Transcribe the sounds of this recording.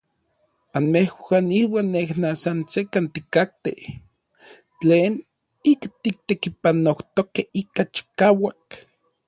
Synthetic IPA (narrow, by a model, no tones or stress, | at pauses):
anmehwaːniwaːnːehnasansekant̪ikak̚t̪ḛh | t͡ɬeːn | ikt̪ik̚t̪ekipanoht̪okehikat͡ʃi̥kaːwak